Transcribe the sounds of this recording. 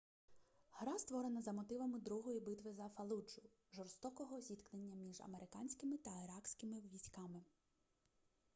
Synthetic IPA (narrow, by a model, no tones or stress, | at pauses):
hɾɑst̪ʋɔɾenɐzɐmɔt̪ɪʋɐmɪd̪ɾuɦɔjibɪt̪ʋɪzɐfɐlˠud͡ʒʊ | ʒɔrst̪ɔkɔɦɔzʲit̪knenʲːɐmʲiʒɐ̰meɾɪkɑnʲsʲkɪmɪt̪ɐɪɾɑksʲkʲɪmɪʋʲisʲkɑmɪ